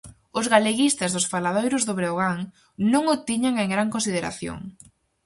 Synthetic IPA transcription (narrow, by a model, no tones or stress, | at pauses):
ʊzɣaleɣist̪azðʊsfalað̞ojɾʊzðʊβɾeoɣaŋ | nõŋʊt̪iɲaŋeŋɡɾaŋkonsið̞eɾa̰θjo̰ŋ